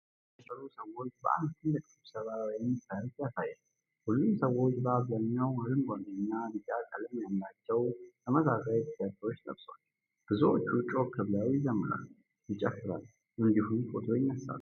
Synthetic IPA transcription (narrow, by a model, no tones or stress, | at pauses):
əsʼəɾusəwo̞t͡ʃːbə̰ʔa̰nd̪ʰɨnləkʰʼɨsɨβsəβawjɛmːəsajt̪jasajɛl | hulːumsəwo̞t͡ʃːbəaβzaɲːawməɾɨnɡʷanɨnːalɨt͡ʃʼakʼəlɨmjamlat͡ʃːɛwtʰəməzasajit̪ʰʼɨjat̪ʰəɾwo̞t͡ʃːt̪ʼəβso | b̥ɨzot͡ʃːut͡ʃʼo̞kʰɨβlawijɪzəmːɨɾa̰l | jɪt͡ʃʼːɛfːɨɾa̰l | ʔɨnd̪ihumkʰʼot̪ʰojɪnːəsa̰l